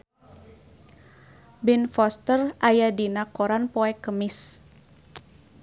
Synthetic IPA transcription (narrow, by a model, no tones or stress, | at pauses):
binfɔst̪ərʔajadinakoɾanpoɛkəmɪs